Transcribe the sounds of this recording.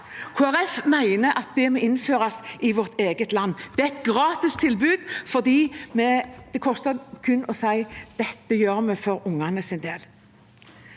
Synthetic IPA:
kʰuæʁɛfmæɪnəʔɑt̪̚d̪ɛmoːɪnføːʁɑsɪʋɔʁt̪ʰeːɡət̪lɑnːd̪ɛæɛt̪̚ɡʁɑːt̪ɪst̪ʰɪlbʉːd̪̥fɔʁd̪iːmɛd̪̥ɛkʰɔst̪əkʰʉnːʔɔsæɪd̪̥ɛt̪ːəjøːʁmɛfɔɾʊŋːɑnəsɪnd̪eːl

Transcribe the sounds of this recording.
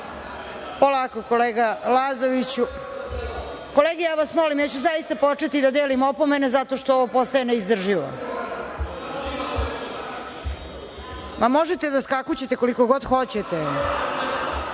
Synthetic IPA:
polakokoleːɡalazoʋit͡ɕu | ko̞leːɡejaːʋasmolimjaːt͡ɕuzajist̪apo̞t͡ʂet̪id̪ad̪eːlimopo̞menezat̪o̞ʃt̪ooʋo̞po̞st̪aeneizd̪r̩ʒiʋo̰ | mʔamoʒet̪ed̪askakut͡ɕet̪eko̞likoɡod̪xot͡ɕet̪e

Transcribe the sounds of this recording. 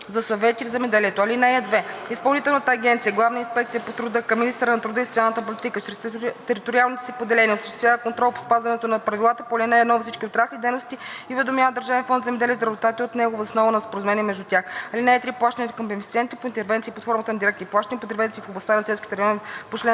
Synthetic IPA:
zɐsɐvɛt̪ivzɛmɛd̪ɛliɛt̪oɐlinɛɛd̪vɛispɐlˠnit̪ɛlˠnət̪əɐɡʲɛnt̪sijəɡlˠavnəinspɛk̚t̪sijəpot̪ɾʊd̪ɤkɐminist̪əɾənɐt̪ɾʊd̪əisot̪sialˠnət̪əpolit̪ikət͡ʃɾɛst̪ɛɾit̪oɾʲialˠnit̪ɛsipod̪ɛlɛniəosəʃt̪st̪vjavəkont̪ɾɔlˠpo̥spazvɐnɛt̪onɐpɾɐvilˠat̪əpolʲinɛɛnɔvisit͡ʃkʲiot̪ɾaslʲid̪ɛjnost̪iivɛd̪omʲjaəd̪əɾʒavɛnfɔnd̪zɛmɛd̪ɛlʲiəzɾɐvot̪at̪ʲɛot̪nɛɡovosnɔvonɐspoɾɐzomɛniɛmɛʒd̪ut̪ʲaxɐlinɛɛt̪ɾiplˠaʃt̪ɐnit̪kɐmpɛfit̪siɛnt̪ipoint̪ɛɾvɛnt̪siːpoɐt̪fɔɾmət̪ənɐd̪iɾɛkt̪iplˠaʃt̪ɐnʲipot̪ɾvɛnt̪sifoblˠɐst̪anɐsɛlˠskʲi̥t̪ɛɾjɔnpot͡ʃlɛ

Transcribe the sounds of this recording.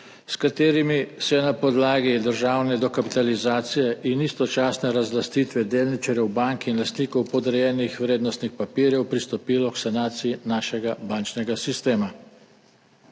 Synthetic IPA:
skat̪eːɾimisjɛnapɔd̪laːɡid̪əɾʒaːwnɛd̪ɔkapit̪alizaːt̪sijɛʔinist̪ɔt͡ʃaːsnɛɾazlast̪iːt̪ʋɛd̪eːlnit͡ʃaɾjɛwbaŋkinlast̪niːkɔwpɔd̪ɾɛjɛːnixʋɾeːd̪nɔst̪nixpapiːɾjɛwpɾist̪ɔpiːlɔksanaːt̪sijinaːʃɛɡabant͡ʃnɛɡasist̪eːma

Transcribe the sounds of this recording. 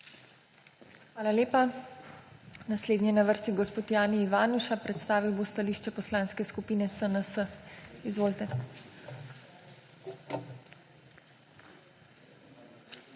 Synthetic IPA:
xʋaːlaleːpa | nasleːd̪nʲɛnaʋəɾst̪iɡɔspoːt̪jaːniiʋaːnuʃapɾɛt̪st̪aːʋiwbost̪aliːʃt͡ʃɛpɔslaːnskɛskupiːnɛsənəsəizʋoːlt̪ɛ

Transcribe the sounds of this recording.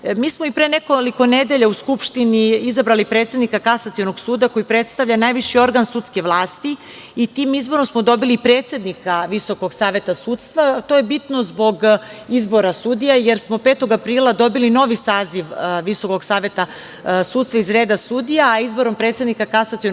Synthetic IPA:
miːsmoipɾenekoliko̞ned̪e̞ʎauskupʃt̪iniizabɾalipɾeːt̪sed̪nikakasat̪sijo̞noɡsuːd̪ako̞jipɾe̞t̪st̪aʋʎanaːjʋiʃio̞ɾɡansuːt̪ske̞ʋlˠaːst̪i | it̪iːmizbo̞ɾomsmod̪o̞biliːpɾet̪se̞d̪nikaʋiso̞ko̞ɡsaːʋe̞t̪asuːt̪st̪ʋat̪o̞jebit̪no̞zbo̞ɡizbo̞ɾasud̪ijajeɾsmo̞peːt̪o̞ɡapɾiːlˠad̪o̞bilino̞ʋisaːziʋʋisoko̞ɡsaːʋe̞t̪a | suːt̪st̪ʋaizɾe̞ːd̪asud̪ijaːizbo̞ɾo̞mpɾet̪se̞d̪nikakasat̪sio

